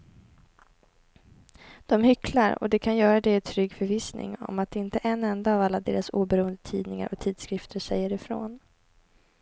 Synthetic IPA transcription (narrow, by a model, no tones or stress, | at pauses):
d̪̥ɔmhʏklaɾɔ̰d̪ɛkʰanjœːɾad̪ɛt̪ʰɾʏɡːfœɾviːsnʔɪ̰ŋɔ̰mat̪̚d̪ɛɪnt̪əʔɛnːɛnd̪aːvalːad̪eːɾasuːbɛɾuːənd̪ət̪ʰiːd̪nɪŋa̰ɾʔɔt̪ʰiːd̪skɾɪft̪ʰəʂɛjːəɾɪfɾo̰ːn